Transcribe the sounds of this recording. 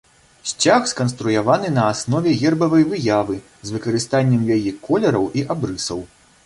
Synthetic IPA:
ɕʲt͡sʲaxskɐn̪st̪ɾujavanɨnɐːsnɔvʲɛɣʲɛrbɐvɐjvɨjavɨ | zvɨkɐɾɨst̪anʲːɛmjajikʰɔlʲɛɾɐwʔiʔabɾɨsɐw

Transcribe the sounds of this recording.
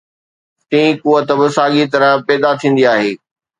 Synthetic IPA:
t̪ĩkuːət̪əbɪsaːɠit̪ɐɾə̃pɛːd̪at̪ʰĩːn̆d̪iaːɦeː

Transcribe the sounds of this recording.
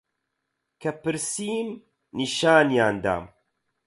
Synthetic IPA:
kʰɐpɨɾsiːm | niʃaːnjaːnd̪a̰ːm

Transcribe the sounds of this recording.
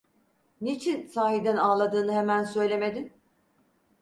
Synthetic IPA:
nit͡ʃʰinsaːɦid̪ænaːlˠad̪ɯːnɯɦemænsø̞jlʲe̞me̞d̪in

